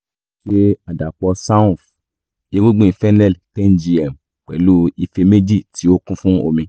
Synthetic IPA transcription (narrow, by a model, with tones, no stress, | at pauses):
ʃe˦a˨da˨k͡pɔ˧sa˦ũ˦˨f | i˧˦ɡo˦ɡ͡bũ˦˨i˨fɛ˦nɛ˦˨ltɛ˦nd͡ʒi˧ɛ˨m | k͡pɛ˨lu˦i˧fe˧me˦d͡ʒi˦˨ti˨˦o˦kũ˦fũ˦o̰˧mĩ˧